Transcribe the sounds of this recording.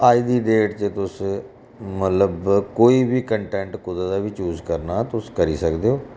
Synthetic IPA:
aːiːd̪iːɖeːʈt͡ʃət̪ʊs | mət̪ləbkoːiːbiːkəɳʈɛ̃ːɳʈkʊd̪ad̪aːʋiːt͡ʃjuːzkəɾnaːt̪ʊskəɾiːsəkd̪eːoː

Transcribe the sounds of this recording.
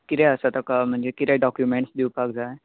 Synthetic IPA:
kiɾɛəsat̪əkam̤əɳd͡zekit̪ɛɖɔkjumẽɳʈsd̪iwpakd͡zae

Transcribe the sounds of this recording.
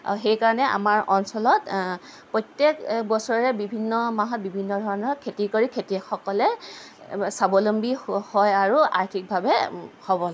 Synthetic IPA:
xejkaɹɔnɛa̰maɹʔɔnsɔlɔtpɹɔjtjekbɔsɔɹɛbibʱinːɔmaɦɔt̚bibʱinːɔdʱɔɹɔnɔɹkʰetikoɹikʰetixɔkɔlɛ | sabolombihɔjaɹua̰ɹtʰik̚bʱabɛhobɔl

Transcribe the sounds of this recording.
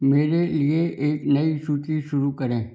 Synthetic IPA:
meːɾelieeːknɐisuːt͡ʃiʃʊɾukɐɾẽː

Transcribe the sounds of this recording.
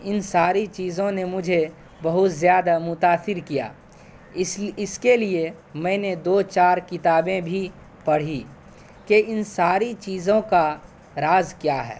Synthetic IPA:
ɪnsaːɾit͡ʃiːzõnemʊd͡ʒʱe | bɐɦʊt̪zjaːd̪amʊt̪aːsɪɾkija̰ː | ɪskelie | mɛ̃ːned̪oːt͡ʃaːɾkɪt̪aːbẽbʱi | pɐɽ̤i | keɪnsaːɾit͡ʃiːzõka | ɾaːzkjaɦɛ̰ː

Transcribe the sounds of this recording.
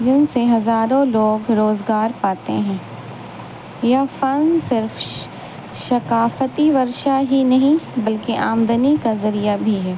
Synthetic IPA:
d͡ʒɪnseɦɐzaːɾõloːɡɾoːzɡaːɾpaːt̪ḛɦɛ̃ː | jafɐnsɪɾf | ʃɐkaːfət̪iʋɐɾʃaɦinɐɦĩbɐlkeʔaːmd̪ənikazɐɾijabʱiɦɛː

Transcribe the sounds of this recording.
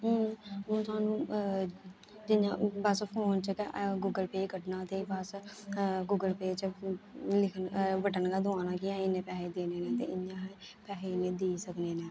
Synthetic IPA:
ɦõt̪ʊaːnũː | d͡ʒɪãːbəspʰoːnt͡ʃəkɡʊɡəlpeːkəʈnãːt̪eːbəs | ɡuɡəlpeːt͡ʃəlɪkʰnʋəʈənkaːd̪ʊãːnaːkɪãːinẽːpɛːɦeːd̪eːneːnɛ̃ːt̪ḛːʔɪãːɦpɛːɦeːnẽːd̪eːsəkneːnɛ̃ː

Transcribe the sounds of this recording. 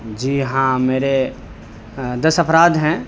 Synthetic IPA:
d͡ʒiːɦãmeːɾe | d̪əsəpʰɾaːd̪ɦɛ̃ː

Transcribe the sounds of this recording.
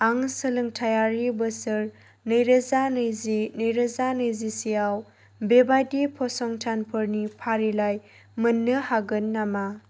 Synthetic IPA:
aŋsəlɯŋtʰajaɾibɯsɯɾ | nɯjɾəzanɯjzinɯjɾəzanɯjzisijaw | bebajdipʰɔsɔŋtʰanpʰɯɾnipʰaɾilaj | mɯnːɯhaɡɯnːama

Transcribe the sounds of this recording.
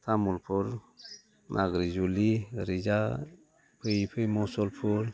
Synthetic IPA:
t̪ʰamulpʰuɾ | nʔaɡɾid͡ʒuliɾid͡ʒa | pʰɯjpʰɯjmɔsɔlpʰuɾ

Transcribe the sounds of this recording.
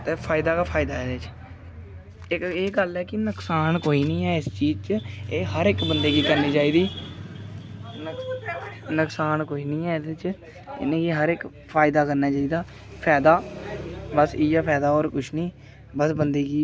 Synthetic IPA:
t̪eːpʰaːɪd̪aːkaːpʰaːɪd̪aːɦɛːd̪et͡ʃ | ɪkeːɡəlɛːkɪnəksaːnkoːiːnĩːɛːɪst͡ʃiːd͡ʒt͡ʃeːɦəɾɪkbənd̪eːɡiːkəɾniːt͡ʃaːiːd̪iː | nk | nəksaːnkoːiːnĩːɛːd̪ɪt͡ʃ | ɪ̰nẽːɡiːɦəɾɪk | pʰaːɪd̪aːkəɾnaːt͡ʃaːiːd̪aː | pʰɛːd̪aː | bəsiːɛːpʰɛːd̪aːoːɾkʊʃʰnĩː | bəsbənd̪eːɡiː

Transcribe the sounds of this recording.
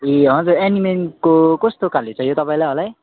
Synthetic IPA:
eɦʌ̃d͡zuenimenkokost̪okalit͡sʰʌ̃jot̪ʌpaĩlajɦʌlaj

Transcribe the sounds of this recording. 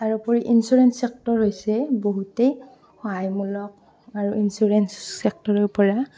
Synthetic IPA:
aɹupɔɹiʔinsuɹɛnsɛk̚tɔɹɦojsɛboɦutej | xɔajmulɔk̚ | aɹuʔinsuɹɛnsːɛk̚tɔɹɔɹpɔɹa

